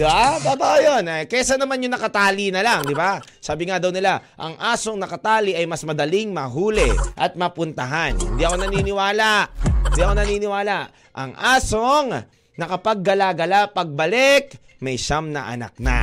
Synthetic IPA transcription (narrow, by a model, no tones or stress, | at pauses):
d̪ɪbat̪aːbaʔojonakɛsanɐmanjʊŋnɐkɐt̪aːlinɐlaŋd̪ɪbasaːbɪŋad̪ɐwnɪlaʔɐ̰ŋʔaːsoŋnɐkɐt̪aːliʔɐjmɐsmɐd̪ɐliŋmɐɦuːlɛʔɐt̪̚mɐpʊnt̪ɐɦanhɪ̰nd̪iʔɐko̞nɐninɪwaːlaʔhɪnd̪iɐko̞nɐniːnɪwaːlaʔ | ʔɐ̰ŋʔaːsoŋ | nɐkɐpaɡ̚ːɐlaɡɐlapɐɡ̚bɐlɛk | mɐjʃamnɐ̰ʔɐ̰na̰k̚na̰